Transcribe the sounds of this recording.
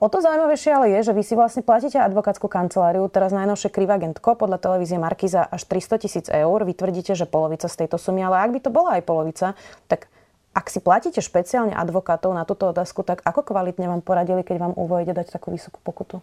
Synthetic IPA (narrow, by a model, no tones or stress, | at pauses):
ɔt̪ɔzaujmaʋɛjʃɪɛalɛjɛʒɛʋisiʋlasɲɛplaciːcɛad̪ʋɔkaːt͡skukant͡sɛlaːɾiut̪ɛɾaznajnɔʊʃɛkɾiʋaɡɛnt̪kɔpɔd̪ʎat̪ɛlɛʋiːziɛmaɾkiːzaʔaʃt̪ɾist̪ɔcisiːd͡zɛuɾʋit̪ʋr̩ɟiːcɛʒɛpɔlɔʋit͡sast̪ɛjt̪ɔsumialɛaɡ̚bit̪ɔbɔlaajpɔlɔʋit͡sat̪ak | ʔaksiplaciːcɛʃpɛt͡siaːlɲɛ̰ʔa̰d̪ʋɔkaːt̪ɔʊnat̪uːt̪ɔɔt̪aːskut̪akakɔkʋalit̪ɲɛʋaːmpɔɾaɟilikɛɟʋaːmṵʋɔjɟɛd̪act̪akuːʋisɔ̥ku̥pɔkut̪u